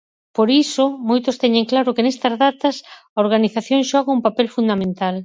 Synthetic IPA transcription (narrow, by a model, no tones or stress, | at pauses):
poɾisʊmojt̪ost̪ɛɲeŋklaɾʊkenest̪ɐzðat̪ɐsɐoɾɣ̞aniθaθjoŋʃɔɣɐumpapɛlfund̪amẽnt̪al